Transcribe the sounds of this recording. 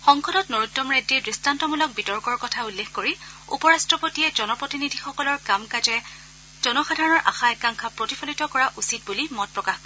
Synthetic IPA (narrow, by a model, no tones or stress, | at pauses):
xɔŋxɔdɔtnoɹutːɔmɹedːiɹdɹistantɔmulɔk̚bitɔɹkɔɹkɔtʰaulːexkoɹiṵpɔɹastɹɔpotiɛd͡ʒɔnɔpɹotinidʱixɔkɔlɔɹkamkazɛ | z̥ɔnɔxadʱaɹɔnɔɹʔa̰xaɛkaŋkʰapɹotipʰɔlitɔkɔɹaʔusit̚bulimɔt̚pɹɔkax